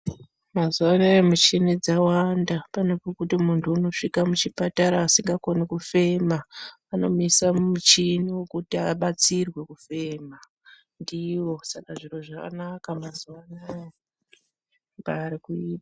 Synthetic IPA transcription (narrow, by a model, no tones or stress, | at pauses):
mazuʋanajamut͡ʃinid͡zawandapano̞pokutimuntʰuuno̞ʂikamut͡ʃipataɾaːsiŋɡakonikufe̞maː | no̞misamut͡ʃiniwokutiaɓat͡sirwe̞kufe̞ːma | ndiwo̞sakaʐiro̞ʐaka̰nakamazuʋanaja | mbaːɾikuiːpḁ